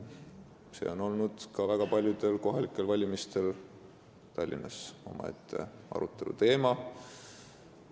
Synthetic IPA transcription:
sḛo̞no̞lnud̪̥kɑvæɡ̥ɑpɑlʲjud̪̥e̞lko̞ɦɑlikˑːe̞lvɑlʲimist̪e̞l | t̪ɑlʲːḭnɑso̞̰mɑ̰e̞̰t̪ʰˑːe̞̰ʔɑ̰ɾut̪ˑːe̞lṵt̪e̞ːmɑ

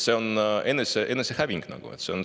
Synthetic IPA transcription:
se̞o̞ne̞nːeseʔe̞nːesehæviŋɡ̥nɑ̰ɡ̥ṵet̪se̞on

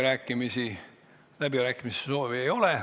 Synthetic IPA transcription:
ɾæːkːˑimisi | læbiɾæːkːˑimiseso̞ːviejo̞le

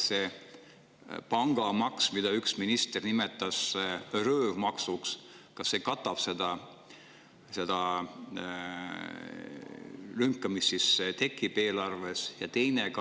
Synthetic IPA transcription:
se | pɑŋɡ̥ɑmɑksmid̪̥ɑyksminist̪e̞rnimet̪ːˑɑsrøːvmɑksuks | kɑsːe̞kɑt̪ːˑɑb̥se̞d̪̥ɑ | se̞d̪̥ɑ | lyŋkːˑɑmist̪sist̪e̞kːˑib̥e̞ːlɑrve̞sjɑt̪e̞jnekɑ

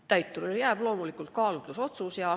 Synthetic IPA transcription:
t̪æjt̪ːurjæːb̥lo̞ːmulikːˑult̪̚kɑːlut̪ːˑuso̞t̪susjɑ

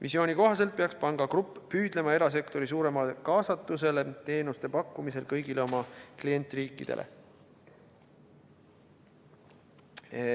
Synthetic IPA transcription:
vʔḭsio̞ːnʲiko̞ɦɑs̬elt̪̚pe̞ɑkspɑŋɡ̥ɑkrupˑːyːd̪̥le̞mɑe̞ɾɑs̬e̞kt̪o̞ɾis̬uːɾe̞mɑlekɑːsɑt̪ːˑuse̞le̞t̪e̞ːnust̪e̞pɑkːumise̞lkɤjɡ̥ile̞o̞mɑklije̞nʲt̪ːˑriːkːˑid̪̥e̞̰lʔḛ

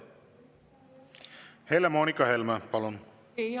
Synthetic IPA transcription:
helːæmoːnikːɑhelmæpɑlon

